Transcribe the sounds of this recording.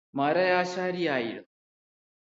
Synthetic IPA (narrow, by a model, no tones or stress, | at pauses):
maːɾɐjaːʃaːɾiaːjiɾɐ